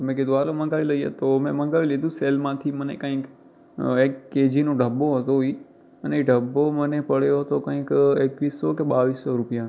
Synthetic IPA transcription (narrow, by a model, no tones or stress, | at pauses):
t̪omɛ̃k̬ed̪ualomə̃ŋɡaʋiləijḛt̪omɛ̃mə̃ŋɡaʋilid̪ũselmãt̪ʰimənḛkə̃ik | ekːed͡ʒinõɖʱəbːoɦət̪oɦoi | əneɖʱəbːomənepəɽejoɦət̪okə̃ĩkekʋisːɔkeɓaʋisːɔɾupijan